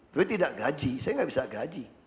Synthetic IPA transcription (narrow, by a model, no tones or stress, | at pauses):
t̪apit̪idaʔɡad͡ʒisajaŋabisaɡad͡ʒi